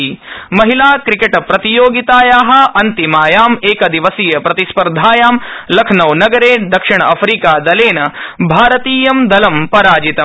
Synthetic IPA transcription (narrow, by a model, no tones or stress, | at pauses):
iːmɐɦilaːkɾikeʈɐpɾɐt̪ijoːɡit̪aːjaːɦɐ̆ɐnt̪imaːjaːmeːkɐd̪iʋɐsijɐpɾɐt̪ispɐɾd̪ʱaːjaːmlɐkʰnɐwnɐɡɐɾeːd̪ɐkʂiɳ̃ɐɐpʰɾiːkaːd̪ɐleːnɐbʱaːɾɐt̪iːjɐmd̪ɐlɐmpɐɾaːd͡ʒit̪ɐ